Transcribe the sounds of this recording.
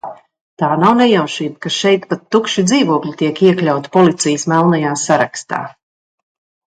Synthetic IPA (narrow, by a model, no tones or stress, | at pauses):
t̪aːnawnɛjawʃiːt̪kaʃɛjt̪pat̪ːukʃid̪ziːvuɔklʲit̪iɛkiɛklʲawt̪ḁpɔlit̪sijəsmɛlˠnajaːsaɾakst̪a̰ː